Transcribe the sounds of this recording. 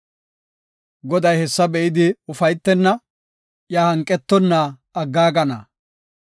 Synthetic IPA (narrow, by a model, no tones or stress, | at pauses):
ɡɔd̪ɐjhɛsːɐbɛʔɪd̪ɪʊfɐjt̪ːɛnːɐ | jaːhɐŋkʼːɛt̪ːɔnːa | ɐɡːaːɡɐnɐ̰